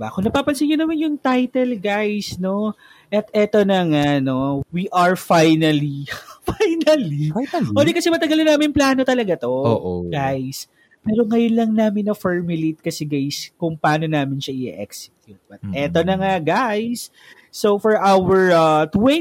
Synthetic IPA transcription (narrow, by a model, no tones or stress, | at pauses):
ba̰kʊŋnɐpaːpɐlsɪɲɲʊnɐmanjʊŋt̪ajt̪ɛlɡajsno̞ | ʔɐt̪ɛt̪o̞nɐŋano̞wiʔɐɹfajnɐlifajnɐliɛːd̪ɪkɐsɛmɐt̪ɐɡɐlɐnaːmɪnplaːno̞t̪ɐlɐɡat̪o̞oʔɡajs | pɛːɾoŋɐjʊnlɐŋnaːmɪnːɐfɛɹmʊlejt̪̚kɐsɛɡajskʊŋpɐaːno̞naːmɪnʃɐʔɪ̰ʔɛ̰ksɪ̥k̚k̪jʊt̪̚bɐt̪ɛt̪o̞nɐŋaɡajsː | ofɔɹʔawɛɹɐt̪wɛ